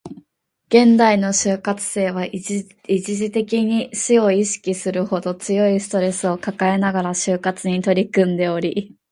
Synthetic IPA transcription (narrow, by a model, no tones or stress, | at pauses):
ɡ̥ẽ̞nd̪aino̞ɕɨːkat͡sɨ̥se̞ːβ̞a | id͡ʑiʑit̪e̞kʲiɲ̟iɕio̞iɕi̥kʲisɨɾɯ̟ho̞d̪o̞t͡sɨjo̞isɨ̥t̪o̞ɾe̞sɨo̞kakae̞naɡaɾaɕɨːkat͡sɨɲ̟it̪o̞ɾʲikɯ̟̃nd̪e̞o̞ɾʲi